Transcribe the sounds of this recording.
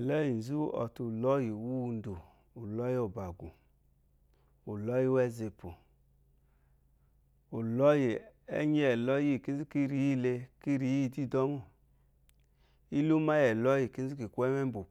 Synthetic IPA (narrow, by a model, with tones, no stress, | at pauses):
lɛ˦ji˨n˨zu˦ɔ̰˨tu˨lɔ˦ji˨wu˦˧ndu˨ | u˨lɔ˦jo˨ba˨ɡṵ˨ | u˨lɔ˦ji˦wɛ˦ze˧pu˨ | u˨lɔ˦ji˨ɛ̰˦ɲi˦ɛ˨lɔ˦ji˦˨ki˦zi˦ki˦ɾi˨˦i˦˨le˧ki˦ɾi˨˦i˦˧˨di˦˨dɔ˦mu˦˨ | i˦lu˦ma˦jɛ˨lɔ˦ji˨ki˦n˦zi˦ki˨kʷɛ˦mɛ˦m˦bu˨